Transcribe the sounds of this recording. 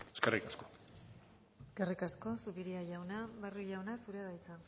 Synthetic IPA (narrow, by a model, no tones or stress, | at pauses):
eskerikasko | eskerikasko̞suβiɾiaʝawnaβaruʝawnasuɾeaðajt͡sa